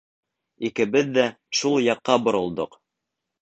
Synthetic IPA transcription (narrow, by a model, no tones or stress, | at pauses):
ikɘ̆bɘðːæ | ʃulˠjɑqːɑbŏɾɤ̆lˠd̪oq